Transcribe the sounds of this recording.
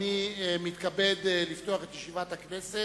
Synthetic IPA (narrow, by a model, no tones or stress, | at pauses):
imit̪kabed̪lift̪oaχet̪jeʃivat̪haknese